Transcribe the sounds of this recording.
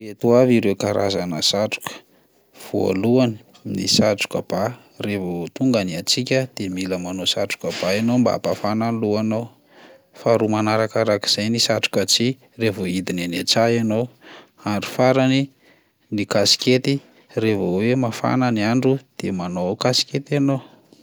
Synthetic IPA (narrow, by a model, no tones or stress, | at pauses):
et̪uaviɾewkaɾʔa̰zanəsaʈ͡ʂu̥kə̥ | v̥ua̰luani̥ | nḭsaʈ͡ʂu̥kəb̥a | revot̪uŋɡaniat͡sikʲəd̪̥emiləmanosaʈ͡ʂu̥kəbaenomba̰a̰pafananluanow | faɾumanaɾakaɾaki̥z̥ajnisaʈ͡ʂu̥kat͡si | revoid̪inanet͡saanow | aɳɖ͡ʐufaɾani | nikasi̥kʲet̪i | revowemafa̰naniaɳɖ͡ʐud̪̥emanokasi̥kʲet̪anow